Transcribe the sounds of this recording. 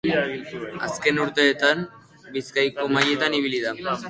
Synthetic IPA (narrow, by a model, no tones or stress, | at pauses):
aske̞nuɾt̪e̞ːt̪am | biskajko̞maje̞t̪aniβ̞iliða